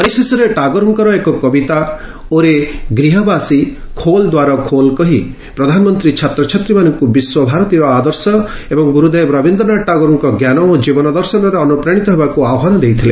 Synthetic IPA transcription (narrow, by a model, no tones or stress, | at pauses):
pɔɾisesɔɾeʈaɡɔɾuŋkɔɾɔekɔkɔbit̪a | oɾeɡɾiɦɔbasi | kʰold̪waɾɔkʰolkɔɦi | pɾɔd̪ʱanmɔnt̪ɾit͡ʃʰat̪ɾɔt͡ʃʰɔt̪ɾimanɔŋkubiswɔbʱaɾɔt̪iɾɔad̪ɔɾsɔ | ebɔŋɡuɾud̪ejbɾɔbʱind̪ɔnaʈaɡɔɾuŋkɔɡjanɔod͡ʒibɔnɔd̪ɔɾsɔnɔɾeɔnupɾaɽ̃it̪ɔɦebakuaɔɦɔnɔd̪ejt̪ʰile